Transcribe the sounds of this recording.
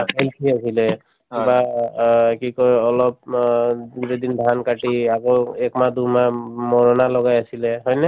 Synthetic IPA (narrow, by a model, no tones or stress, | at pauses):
kʰalkʰiasilɛ | ba | kikɔɹɔlɔp̚ | zedinbʱankaʈiakoɛkmad̪umamɔɹɔnalɔɡajasilɛɦɔjnɛ